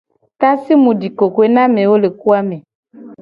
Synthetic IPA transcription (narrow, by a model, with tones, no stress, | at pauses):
t̪a˦si˦mũ˨ɖi˨ko˨ke˦nã˦mẽ˨wo˦le˨ku˦a˦me˨